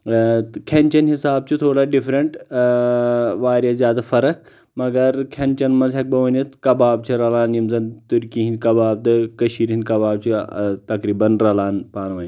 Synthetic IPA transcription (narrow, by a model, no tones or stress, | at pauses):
kʰent͡ʃɐnɦisaːb̚t͡ʃut̪ʰoːɽaːɖifɾɐɳʈ | ʋaːɾʲjɐzjaːd̪afɐɾək | mɐɡɐɾkʲʰent͡ʃɐnmɐzɦek̚bɐʋɐnit̪kɐbaːb̚t͡ʃʰiɾɐlaːnjimzɐnt̪uɾkĩɦĩnd̪kɐbaːb̚t̪ɨkɐʃiːɾɦĩnd̪kɐbaːb̚t͡ʃʰit̪ɐkɾiːbɐnɾɐlaːnpaːnʋɐn